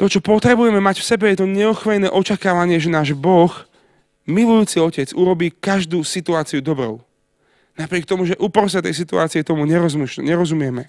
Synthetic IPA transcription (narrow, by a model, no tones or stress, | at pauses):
t̪ɔt͡ʃɔpɔt̪ɾɛbujɛmɛmacfsɛbɛjɛt̪ɔɲɛɔxʋɛjnɛːʔɔt͡ʃakaːʋaɲɪɛʒɛnaːʒbɔx | milujuːt͡siɔcɛd͡zuɾɔbiːkaʒd̪uːsit̪uaːt͡siud̪ɔbɾɔ̰ʊ | napɾɪɛk̚t̪ɔmuʒɛʔupɾɔs̬at̪ɛjs̬it̪ua̰ːt͡siɛt̪ɔmuɲɛɾɔzmuʃɲɛɾɔzumɪɛmɛ